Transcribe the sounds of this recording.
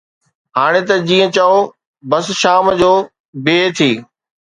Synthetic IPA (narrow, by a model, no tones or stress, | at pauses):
ɦaːɽ̃et̪ɐd͡ʑĩːə̃t͡ɕao | bɐsʃaːmd͡ʑoː | beːt̪ʰiː